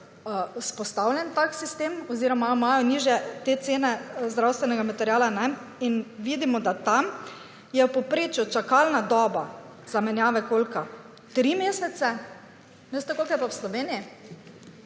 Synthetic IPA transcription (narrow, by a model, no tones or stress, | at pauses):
spɔst̪awljɛnt̪aksist̪eːmɔziːɾɔmaɔmajɔniːʒjɛt̪et̪seːnɛzd̪ɾawst̪ʋɛnɛɡamat̪ɛɾjaːlanɛinʋid̪imɔd̪at̪am | jɛwpɔpɾeːt͡ʃjut͡ʃakalnad̪ɔːba | z̥amɛnjaːʋɛkoːlka | t̪ɾimeːsɛt̪sɛ | nɛest̪ɛkolkajɛpawslɔʋeːniji